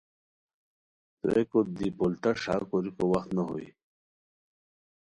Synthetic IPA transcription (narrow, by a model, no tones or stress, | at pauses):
t̪o̰ekod̪ipolt̪aʂa̰koɾikowɐxt̪naɦo̰ḭ